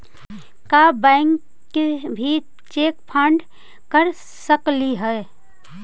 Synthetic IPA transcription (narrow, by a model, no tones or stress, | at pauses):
kabɛ̃ːŋkː | ebʱi | t͡ʃeːk̚pʰə̃ɳɖ | kəɾ | səkliɦɛe